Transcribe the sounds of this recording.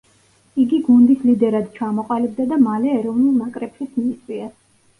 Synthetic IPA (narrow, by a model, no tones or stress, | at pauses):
iɡiɡund̪islid̪ɛɾad̪t͡ʃʰamɔqʼalib̚d̪ad̪amalɛːɾɔvnulˠnakʼɾɛpʃit̪ʰmiːt̪sʼwia